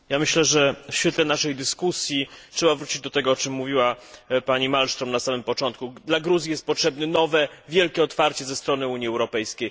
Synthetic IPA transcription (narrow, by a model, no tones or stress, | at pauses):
jamɘɕlɛʐɛfɕfʲɛt̪lɛnaʂɛjd̪ɘskusʲjitʂɛbavɾut͡ɕid͡ʑd̪ɔt̪ɛɡɔɔt͡ʂɘmːuvʲiwapaɲimalʂt̪ɾɔmnasamɘmpɔt͡ʂɔnt̪̚kud̪laɡɾuzjijɛst̪̚pɔtʂɛbnɘnɔvɛvʲjɛlkʲɛɔt̪faɾt͡ɕɛzɛst̪ɾɔnɘuɲjiɛwɾɔpɛjskʲej